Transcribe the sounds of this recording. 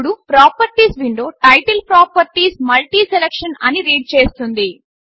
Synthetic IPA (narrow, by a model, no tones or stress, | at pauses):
ɽupɾaːpɐɾʈiːsʋiɳɖo̞ːʈɐjʈɐlpɾaːpɐɾʈiːsmɐlʈiːselekʂɐnɐniɾiːɖ̚t͡ʃe̞ːst̪und̪i